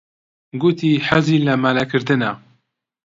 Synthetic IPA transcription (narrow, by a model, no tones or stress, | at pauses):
ɡut̪iːħæziːlɐmalɛkʰɨɾd̪ɨna